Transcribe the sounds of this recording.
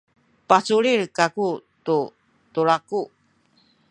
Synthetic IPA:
pat͡suɾirkakut̪u | t̪uɾaku

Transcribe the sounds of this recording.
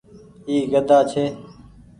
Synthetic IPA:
iːɡəd̪ʱaːt͡ʃʰeː

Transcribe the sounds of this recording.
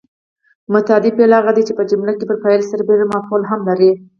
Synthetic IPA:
mʊt̪ɑd̪ipelaɣad̪it͡ʃepəd͡ʒʊmlakepəɾpajlsaɾbeɾamɑfolɦamlaɾi

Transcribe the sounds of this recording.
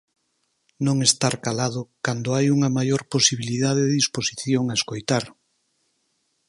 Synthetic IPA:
nõŋest̪aɾkalaðʊkand̪oajuŋɐmajoɾposiβiliðaðeððisposiθjoŋaeskojt̪aɾ

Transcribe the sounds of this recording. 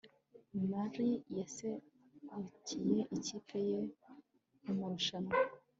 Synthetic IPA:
maɾijaese | kucijeʔicipʰeje | umuɾuʃano

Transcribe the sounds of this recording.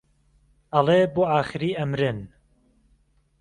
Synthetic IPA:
ʔɐleboːaːxɨɾiːʔɐmɾɨn

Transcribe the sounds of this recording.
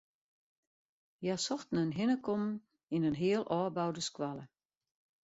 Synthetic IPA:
jasɔxtn̩ənɦɪnəkʰɔmn | inənɦiəlˠʔɔːbawdəskwalˠə

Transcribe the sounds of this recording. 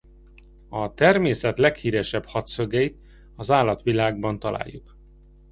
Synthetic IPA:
ɒt̪ɛrmeːsɛt̪lɛkhiːɾɛʃɛbhɒt̪søɡɛjit̪ | ɒzaːlːɒt̪ʋilaːɡ̚bɒnt̪ɒla̰ːjːuk

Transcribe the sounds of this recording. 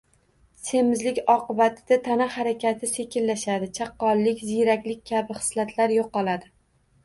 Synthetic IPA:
se̞mɪzlɪkʲɒqɨbat̪ʰɪd̪at̪ʰanahaɾakʲat̪ʰɪse̞kʲʰɪlːaʃad̪ɪt͡ʃʰaqːɒlˠːɪkʲzɪjɾakʲlɪk̚ʲkʲʰabɪχɨ̥slat̪ʰlaɾjoqːɒlˠad̪ɪ

